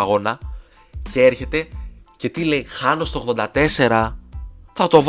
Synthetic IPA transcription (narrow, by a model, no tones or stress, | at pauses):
ɐɣo̞nɐ | ce̞eɾçe̞t̪e̞ce̞t̪ile̞ixɐno̞st̪oɣðo̞nd̪ɐt̪e̞se̞ɾɐ | θɐt̪o̞v